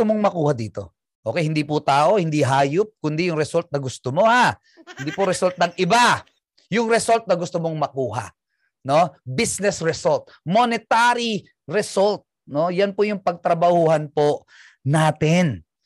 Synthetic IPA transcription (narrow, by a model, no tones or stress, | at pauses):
omoŋmɐkuːhad̪iːt̪o̞ | ʔo̞ːkɛjhɪnd̪ipʊt̪aːʔo̞hɪnd̪iɦaːjʊp̚kʊnd̪ijʊŋɾɛsult̪̚nɐɡʊst̪omo̞ha | hɪnd̪iːpʊɾɛsult̪̚nɐŋʔɪba | jʊŋɾɛsolt̪̚nɐɡʊst̪omoŋmɐkuːha̰ | no̞bisnɛsɹɛsolt̪̚monɪt̪aːɾi | ɾɛsolt̪̚ | no̞janpʊjʊŋpɐɡ̚t̪ɾɐbɐhuːhɐnpo | naːt̪ɪn